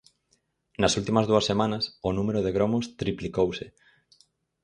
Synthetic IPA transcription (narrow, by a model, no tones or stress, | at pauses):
nɐsult̪imɐzðuɐsːemãnɐsʊnũmeɾʊð̞eɣɾɔmʊst̪ɾiplikowsɪ